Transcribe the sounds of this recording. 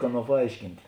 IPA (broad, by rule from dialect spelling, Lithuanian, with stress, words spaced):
ˈɑːˌnuɔ pɐˈɐɪʃʲkʲɪnʲtʲ